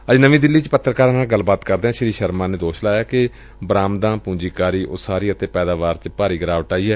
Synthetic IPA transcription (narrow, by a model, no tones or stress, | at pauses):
əd͡ʒnəʋĩːd̪ɪlːiːt͡ʃpət̪ːɾəkaːɾnaːlɡəlbaːt̪kəɾd̪eɛ̃ːʃɪɾiːʃəɾmãːneːd̪oːʃlaːjaːkɪ | bɾaːmd̪ãːpũːd͡ʒiːkaːɾiːʔʊːaːɾiːət̪eːpɛːd̪aːʋaːɾt͡ʃpaːɾiːɡəɾaːʋəʈaːiːɦɛː